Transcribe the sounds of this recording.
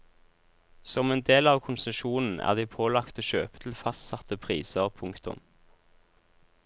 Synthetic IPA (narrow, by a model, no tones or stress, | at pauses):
sɔmeːnd̪eːlɑːʋkʰʊnsəʃuːnn̩æ̰ːʁd̪iːpʰoːlɑkt̪oːʃøːpə̥t̪ʰl̩fɑst̪sɑt̪əpʰʁiːsəʁpʰʊŋkt̪ʊ̰m